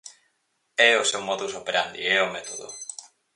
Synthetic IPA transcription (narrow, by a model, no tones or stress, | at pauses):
ɛosewmɔðusopeɾand̪ḭɛomɛt̪oðo̰